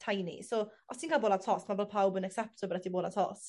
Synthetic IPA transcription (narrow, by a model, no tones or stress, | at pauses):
tʰajnḭsoaθʰɪ̃ŋkaboːlatʰɔsmabɛlˠpʰawbənɛksɛp̚tʰəbəɾatiboːlatʰɔ̰s